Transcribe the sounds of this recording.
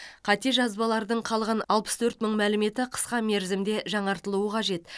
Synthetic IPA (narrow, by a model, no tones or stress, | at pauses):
qʰɑt̪e̞ʒɑzbɑlˠɑɾd̪əɴqʰɑlˠʁɑnɑlˠpə̥st̪ʰɵɾt̪məɴmælɪme̞t̪ɪqʰə̥sqɑme̞ɾzɪmd̪e̞ʒɑɴɑɾt̪əlˠuwəqʰɑʒe̞t̪